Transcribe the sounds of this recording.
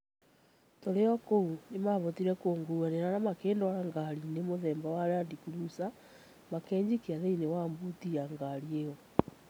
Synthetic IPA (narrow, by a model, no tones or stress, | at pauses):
toɾeɔkoɾunemaβɔtiɾɛkoːŋɡuwaneɾanamakeːndwaɾaŋɡaɾinemoðɛːmbawaɾeandikuɾusa | makɛːɲd͡ʑikeaðeinewambutiaŋɡaɾiejɔ